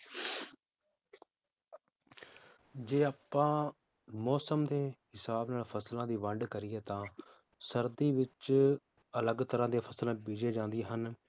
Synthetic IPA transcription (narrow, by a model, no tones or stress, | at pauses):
d͡ʒeːaːpːãː | mɔːsəmd̪eːɦɪsaːbnaːlpʰəslãːd̪iːʋəɳɖkəɾɪjɛːt̪ãː | səɾd̪iːʋɪt͡ʃ | ələɡt̪əɾãːd̪eːpʰəslãːbiːd͡ʒeːd͡ʒãːnd̪ɪeːɦən